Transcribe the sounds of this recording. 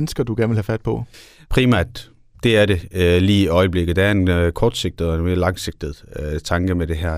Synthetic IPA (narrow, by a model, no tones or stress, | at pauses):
n̩sɡ̥ɐd̥uɡ̥æɐnʋelhæfæd̥̚pʰɒ̽pʰʁimæɐ̰d̥ | d̥e̝æɐɾe̝liːiɒɪəb̥le̝ɡ̥ð̩ˠd̥ææɐe̝nkʰɒːd̥se̝ɡ̥̚d̥ð̩ˠɒenme̝ːɐlɑ̈ŋse̝ɡ̥̚d̥ð̩ˠt͡sʰɑ̈ŋɡ̥əmeɾ̥e̝ɦæɐ